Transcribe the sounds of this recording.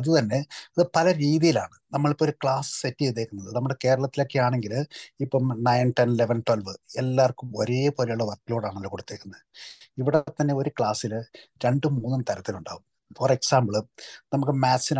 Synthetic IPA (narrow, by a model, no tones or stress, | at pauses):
ɐðɨt̪ɐnːe̞ɐðɨpɐlɐɾiːðijila̰ːɳɨnɐmːɐɭipooɾukɭaːsɨ̥setːijet̪ːe̞ːkːunːɐðɨnɐmːuɽe̞ke̞ːɾɐɭɐt̪ːilokːeaːɳe̞ŋɡilipːoːmnɐjnʈenileʋɐnʈwɐlʋɨelːaːrkːumoɾijɐpo̞ːlejuɭːɐʋɐrkːilo̞ːɽaːɳɐlːɐkoɽut̪ːe̞ːkːunːɐ | iʋiɽet̪ːɐnːe̞o̞ɾukɭaːsilɾe̞ɳɖɨmuːnːumt̪ɐɾɐt̪ːiluɳɖa̰ːɣum | foreksaːmbɨɭnɐmuk̬ːɨmaːsin